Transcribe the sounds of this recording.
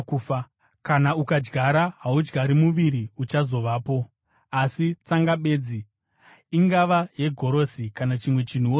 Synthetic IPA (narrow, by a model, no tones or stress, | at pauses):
kanaukad͡ʒɡʱaɾaɦaud͡ʒɡaɾimuʋiɾiut͡ʃazo̞ʋaːpo̞ | asit͡saŋɡaɓe̞ːd͡zi | iŋɡaʋaje̞ɡʱo̞ɾo̞sikanat͡ʃimwe̞t͡ʃin̤uoː